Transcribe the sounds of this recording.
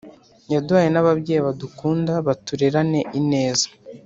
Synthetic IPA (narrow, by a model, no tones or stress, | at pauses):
ɲaduhajenaβabɟeːiβadukuːndaβatuɾeɾane̞ʔine̞ːzḁ